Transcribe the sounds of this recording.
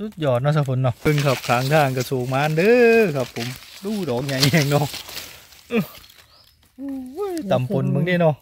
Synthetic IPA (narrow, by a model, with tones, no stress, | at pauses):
su˧˥t̪̚jɔː˧˩t̪̚nɔ˧˩s̬a˧˩fʰo˨˧˦nːɔ˧˩ɯ˧˩ŋkʰa˧˩p̚kʰaː˨˦ŋt̪ʰaː˧˩ŋka˧˩soː˨˩ŋ̚maː˧˥˧ndɤː˧˦kʰa˧˩pʰːo˨˦mduː˧˩dɔː˨˦ŋ̚ɲa˨˩jhɛː˧˩ŋnɔ˧˥˩ʔ | ʔɯ˧˩˧ | u˧˥˩jt̪a˨˩mpo˨˦nba˧˦ŋni˧˨nɔ˧˩